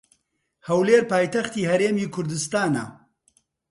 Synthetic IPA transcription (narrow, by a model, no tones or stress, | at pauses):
hɐwleːɾpaːjt̪ɐxt̪iːhɐɾeːmiːkʰʊɾd̪ɨst̪aːna̰